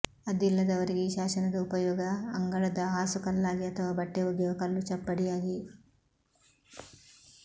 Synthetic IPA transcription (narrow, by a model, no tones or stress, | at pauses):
ɐd̪ilːɐd̪ɐʋɐɾiɡiʃaːsɐnɐd̪ɐupɐjɔːɡɐːŋɡɐɭɐd̪ɐɦaːsukɐlːaːɡiɐt̪ʰɐʋaːbɐʈːeuɡjɔːɡɐkɐlːut͡ʃɐpːɐɽijaːɡi